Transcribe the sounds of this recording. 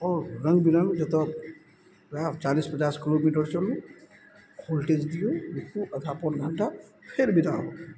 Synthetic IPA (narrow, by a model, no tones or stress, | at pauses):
ɔɾəŋɡbiɾəŋd͡ʒɔt̪ɔ | at͡ʃalispət͡ʃaskilomiʈɔɹsɔlũ | kʰɔlʈed͡ʒd̪ijɔ̃ɾikuʔəd̪ʱapɔnɡʱanʈapʰeɾbitaɔ